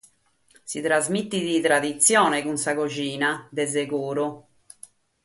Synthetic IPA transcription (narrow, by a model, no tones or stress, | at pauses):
sit̪ɾazmit̪ːid̪it̪ɾad̪it̪sːjɔːnekunsakot͡ʃiːnad̪ez̬ekuːɾʊ